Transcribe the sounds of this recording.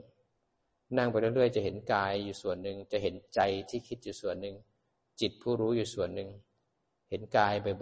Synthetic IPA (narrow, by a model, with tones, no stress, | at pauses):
na˥˩ŋpa˧jlɾɯ˥˩əjt͡ɕa˨˩ɦe˩˦nkaː˧jːuː˨˩su˨˩ənːɯ˨˧ŋt͡ɕa˨˩ɦe˩˦nt͡ɕa˧jt̪ʰiː˥˩kʰi˦˥t̪̚juː˨˩su˨˩ənːɯ˨˧ŋ | t͡ɕi˨˩t̪̚pʰuː˥˩ɾuː˦˥juː˨˩su˨˩ənːɯ˨˧ŋ | he˩˦nkaː˧jpa˧j